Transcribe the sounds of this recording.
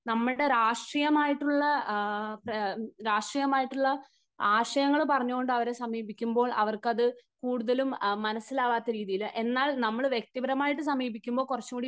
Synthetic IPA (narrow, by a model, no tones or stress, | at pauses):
nɐmːɨɽe̞ɾaːʂʈrijɐmaːjiʈːuɭːɐpɐɾaːʂʈrijɐmaːjiʈːuɭːɐ | aːʂɐjɐŋːɐɭpɐrɐɲːuɣoɳɖɨɐʋɐɾesɐmiːbikʲːumbo̞ːɭɐʋɐrkɐðɨkuːɽuðɐlumːɐnɐsːilaːʋaːt̪ːɐɾiːðijilʔe̞nːaːɭnɐmːɐɭʋjek̚t̪ibɐɾɐmaːjiʈːɨsɐmiːbikʲːumbo̞ːɭkurɐt͡ɕːukuɽi